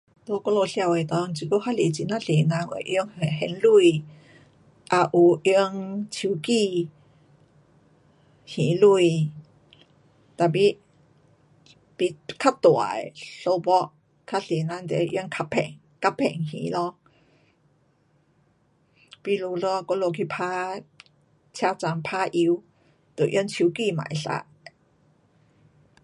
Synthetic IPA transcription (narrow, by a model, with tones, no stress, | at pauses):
lo˧kɔ˦lo˧ɬja˧˩we˨t̪ɔ˧ŋ˨t͡ɕi˨˧˩ko˦ha˦le˨t͡ɕi˧˨na˦˧ɬe˨nã˧nwḛ˨ʔi˧˦ə˦ŋe˨ɦɛ˧nlu˥˧˩j | ʔa˧ʔu˨˩i˧əŋt͡ɕʰi˨˩˦ki˥˧ | hĩ˨˦lu˧˩i˧ | t̪a˨pi˦ | pi˧kʰa˦t̪wa̰˨jɬo˧˦bɔ˦˥ʔ | kʰa˦˥ɬi˨˦nã˧˥nt̪e˧˦ʔji˧˥˦ŋkʰa˧pʰɛ̰˨˩ŋ | ka˦˥pʰːɛ̰˨˩˨ŋhḭ̃˨˦lɔ˧ | pi˧lu˧lɔ˧kɔ˧lo˧kʰi˧˩pʰa˦ | t͡ɕʰja˧˥t͡sa˧ŋpʰa˦˥ʔi˧w | t̪o˨˩ʔi˧˥˦nt͡ɕʰu˧˦ki˧mã̰˨˩˨jɬa̰˧˦